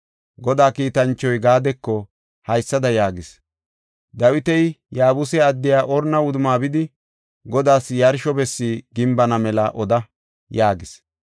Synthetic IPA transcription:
ɡɔd̪aːkiːt̪ɐnt͡ʃːɔjɡaːd̪ɛkːɔ | hɐjsːɐd̪ɐjaːɡɪs | d̪ɐwɪt̪ɛjjaːbʊsɛɐd̪ːɪjaːʔɔɾnɐʊd̪ʊmaːbɪd̪ɪ | ɡɔd̪aːsjɐɾʃɔbɛsːiːɡɪmbɐnɐmɛlɐʔɔd̪ɐ | jaːɡɪs

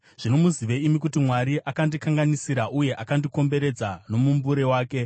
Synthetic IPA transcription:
ʐ̥ino̞muziʋeimik̬utimwaɾiʔakandikaŋɡanisiɾaʔuje̞ʔakandiko̞mbe̞ɾe̞d͡zano̞mumbuɾe̞waːke̞

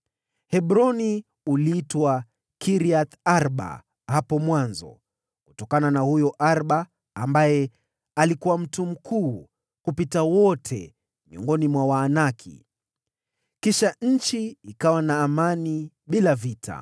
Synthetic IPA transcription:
hɛɓɾɔni | uliːtwa | kiɾiaθaɾɓa̰ | hapɔmwanzɔ̰ | ku̥tɔkananahujɔʔaɾɓaː | mbajɛ | alikuwam̩tum̩kʰuː | kupitawɔtʰɛ̰ | miɔ̰ŋɡɔnimwawaːnakʰḭ | kiʃaɲ̩t͡ʃiikawanaːmani | ɓilavitʰa̰

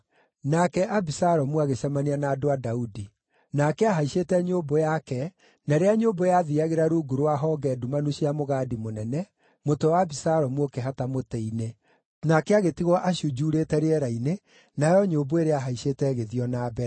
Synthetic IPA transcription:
nakɛʔabisaɾɔmuaɣeɕamanianaːdoadaudi | nakɛaɦaiɕeːtɛɲoːbojakɛ | naɾeaɲoːbojaðiaɣeɾaɾuːɡuɾoaɦɔːɡɛːdumanuɕiamoɣaːdimonɛnɛ | motowabisaɾɔmuokɛɦatamotɛine | nakɛaɣetiɣɔʔaɕjud͡ʒuːɾetɛɾeɛɾaine | najɔɲoboeɾeaɦaiɕetɛɣeðiɔnaːbɛɾ

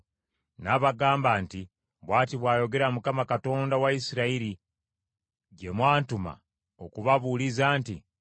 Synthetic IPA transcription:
naβaɡaːmbaːnti | βwaːtiβwaːjo̞ɡe̞ɾamukamakato̞ːndawaisiɾaiɾi | ɟe̞mwaːntuma̰ | okuβaβulizaːnti

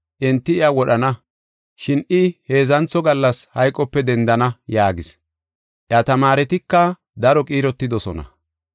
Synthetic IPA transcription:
ʔɛnt̪ːɪɪawɔɗɐnɐ | ʃɪnɪhe̞ːzɐnt͡sːɔɡɐlːɐshɐjkʼːɔpːɛd̪ɛnd̪ɐnɐjaːɡɪs | ʔɪɐt̪ɐmaːɾɛt̪ɪkːɐ | d̪ɐɾɔkʼiːɾɔt̪ːɪd̪ɔsɔnɐ̰

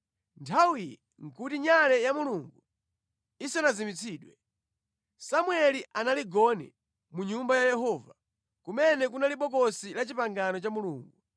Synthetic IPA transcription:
ntʰawijɛ | ŋ̩kutiɲalɛjamuluŋɡu | isanazimit͡sʰiːɗwɛ | samwɛliʔanaliɡɔnɛ̰ | muɲumbajajɛɦɔːva | kumɛnɛk̬unaliɓɔk̬ɔsilat͡ʃipaŋɡanɔt͡ʃamuluːŋɡu

